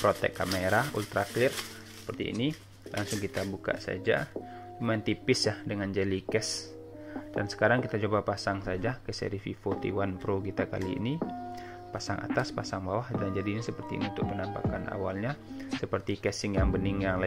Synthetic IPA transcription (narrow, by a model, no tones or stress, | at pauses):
pɾot̪ɛ̰kːameɾaṵlt̪ɾaklɪr | sə̥pərt̪ḭːni | lʔa̰ŋsʊŋkit̪abuka̰sa̰d͡ʒa | t͡ʃumant̪ipɪsjahdəŋand͡ʒalikɛs | d̥a̰nsə̥kaɾaŋkit̪at͡ʃobapasaŋsad͡ʒakəsɛ̰ɾififot̪ḭwanpɾokit̪aka̰lḭːni | pasaŋʔa̰t̪aspasaŋbawahdand͡ʒadiɲasəpərt̪iḭniunt̪ʊk̚mənampa̰kanʔa̰walɲasəpərt̪ikɛsɪŋjaŋbənɪŋjaŋla